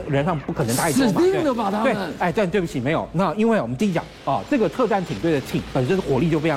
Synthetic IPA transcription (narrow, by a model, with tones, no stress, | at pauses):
ɻə˧˥nʂɑ˥˧ŋpu˥˩kʰn˧˥t̪a˥˧˥mi˥˧˥d̪ə˧˩fa˨˩t̪ʰa˥t̪e˥˩ɪa˥˧ɪt̪a˥˧t̪we˥˩bu˨˩i˧˩me˧˥ɪjo˨˩ʊna˥˩i˥nwe˥˩ɪwɔ˨mə˦t͡ɕ̪i˥˩t͡ɕjɑ̰˨˦ŋɐ˥˧ʈ͡ʂɤ˥˩ɡə˩t̪ʰɤ˥˧ʈ͡ʂa˥˩nt̪ʰi˨˩ŋt̪we˥˩ɪd̪ə˩t͡ɕʰi˨˩ŋpə˨˩nʂə˥nxwɔ˨˩˦li˥˧t͡ɕjfeɪ˧